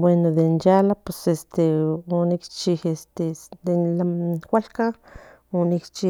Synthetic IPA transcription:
bwenod̪enjalapesest̪eonikt͡ʃihest̪ed̪enlakʷalka | onikt͡ʃi

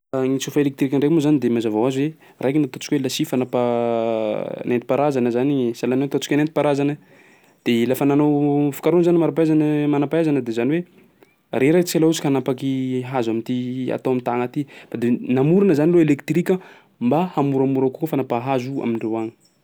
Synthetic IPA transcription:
ŋit͡sufəelek̚t̪ɾikʲəɳɖ͡ʐekmozanid̪emazavawazuwe | rʔajkinat̪o̥t͡ʃi̥kʲuelasifanapa | nent̪i̥paɾazanəzanisalanot̪ot͡si̥kʲanent̪ipaɾazanə | d̪̥elafənanowfi̥kaɾunzanimaɾapaazanəmanapaazanəd̪ezaniwe | reɾat͡salaut͡ʃikanapakiɦazamint̪ia̰t̪awamit̪aŋat̪ifad̪enamuɾanəzaniloelekt̪rikʲə | mbahamuɾamuɾakukofanapaɦazua̰miɳɖ͡ʐewaɲi̥

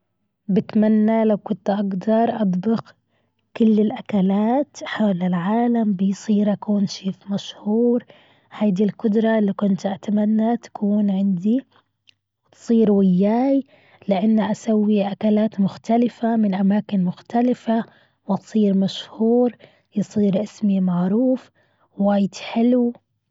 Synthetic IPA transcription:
bɪt̪manːalawkʊnt̪ʔaɡd̪ɑɾˤʔɑd̪ˤbɪq | kʊlːɪlʔakalaːt̪ħaːlalʕaːlambɪjsˤiːɾʔakuːnʃeːfmaʃhuːɾ | haːd̪ilqʊd̪ɾˤɑlːikʊnt̪ʔat̪amanːat̪ḁkʰuːnʕɪnd̪i | wt̪sˤiːɾwɪjːaːj | lɪʔanːaʔasawːiʔakalaːt̪mʊxt̪alɪfamɪnʔamaːkɪnmʊxt̪alɪfa | wʔt̪sˤiːɾmaʃhuːɾ | jɨsˤiːɾʔɪsmimaʕɾuːf | waːjd̪ħɪl

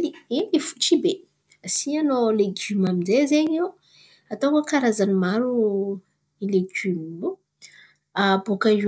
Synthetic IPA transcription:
liilifu̥ʈ͡ʂibe | asiɲanoleɡymaminzezeɲe | at̪okokaɾazanimaɾu | ileɡymilu | aboka

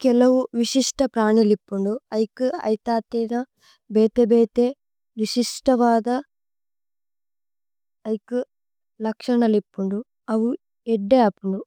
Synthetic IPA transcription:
kɛlɐwuʋiʃiʂʈɐpɾaːɳilipːuɳɖuɐjkuɐ̰jt̪aːt̪iːnɐ | beːt̪ebeːt̪e | ʋisiʂʈɐʋaːd̪ɐ | jku | lɐkʂɐɳɐlipːuɳɖu | ɐwu | ɛɖːeːɐpːuɳɖu

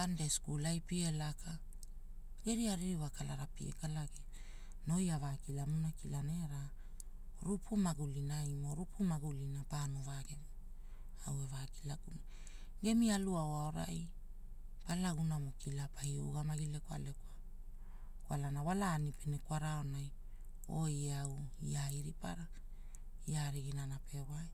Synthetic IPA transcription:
andeskulajpielaka | ɡe̞ɾiaɾiwakalaɾapḭḛkalaɡe | no̞javakilamunakilaneɾa | ɾupʰumaɡulinaimo̞ɾupʰumaɡulinapanovaɡe̞mi | awe̞vaki̥laɡuna | ɡe̞mialuawaoɾa̰j | palaɡunamukilapajṵɡamaɡilekwa̰lekwa | kwalanawalaːnipenekwaɾaonaj | o̞jeawiaiɾipa̰ɾa | iaɾiɡinanape̞waj

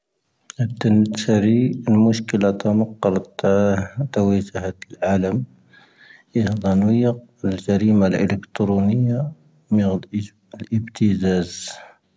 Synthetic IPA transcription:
ʔəb̚t̪ənt̪æɾiəlmʊʃkəlat̪ɑmɑqːɑlt | t̪ːawæʒʊhat̪lʕaləm | id̪ˤɑnwəjəqəld͡ʒæɾimalʔə̰ləkt̪ɾunəjːa | mi | lʔəbt̪əzæz

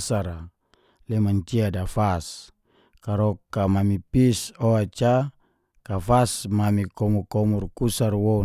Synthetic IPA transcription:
saɾa | lɛmaɲt͡ʃiadafas | kaɾokːamamipisoat͡ʃa | kafasmamikɔmukɔmurkusarwo

